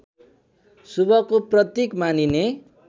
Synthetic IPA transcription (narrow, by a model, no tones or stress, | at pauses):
subʌkoprʌt̪jekmanine